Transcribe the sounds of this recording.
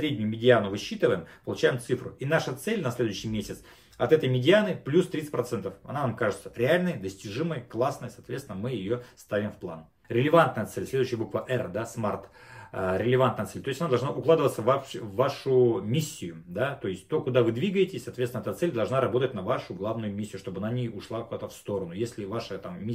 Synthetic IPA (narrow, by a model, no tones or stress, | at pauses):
sɾʲedʲnʲʊjʊmʲɪdʲɪanʊvɨɕːit̪ɨvəjɪmpəlˠʊt͡ɕæjɪmt̪sɨfɾʊinaʂət̪sɛlʲnɐsʲlʲed̪ʊʉɕːɪjmʲesʲɪt̪s | ɐt̪ɛt̪əjmʲɪdʲɪanɨplʲust̪ɾʲit̪sɨ̥tʲpɾɐt̪sɛnt̪əfɐ̰nanamkaʐɨt̪sə̥ɾʲɪalʲnəjd̪əsʲtʲɪʐɨməjklˠasnəjəsɐːt̪vʲet̪sɪnəmɨjɪjost̪avʲɪmfplˠa̰n | ɾʲɪlʲɪvant̪nəjət̪sɛlʲsʲlʲed̪ʊɕːɪjəbukvəʔɛrd̪asmart̪ | ɾʲɪlʲɪvant̪nət̪sɛlʲt̪o̞ɪsʲɐnad̪ɐlˠʐnaʔʊklˠad̪ɨvət̪səvapɪvːaʂʊmʲisʲːɪjʊd̪at̪o̞ɪsʲt̚ʲt̪o̞kʊd̪avɨd̪vʲiɡəjɪtʲɪ̥sʲsɐːt̪vʲet̪ʲɪnɛt̪ət̪sɛlʲd̪ɐlˠʐnaɾɐbo̞t̪ətʲnɐvaʂʊɡlˠavnʊjʊmʲisʲːɪjʊʂt̪o̞bəɐnanʲejʊʂlˠakʊd̪at̪əfst̪o̞ɾənʊjesʲlʲɪvaʂət̪amːʲi